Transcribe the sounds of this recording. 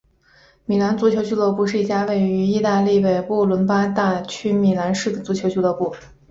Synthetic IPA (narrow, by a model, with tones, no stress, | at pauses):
mi˨˩la˧˥nt͡su˧˥t͡ɕʰjo˧˥ʊt͡ɕy˥lɔ˥˧pu˥˧ʂɻ̩˥˩i˥˩t͡ɕja˥we˥˩ɪy˧˥i˥˧t̪a˥˧li˥˩we˨˩ɪpu˥˩lwə˧˥npa˥t̪a˥˩t͡ɕʰy˥mi˨˩la˧˥nʂɻ̩˥˩d̪ə˩t͡su˧˥t͡ɕʰjo˧˥t͡ɕʰlwɔ˥˧pu˥˩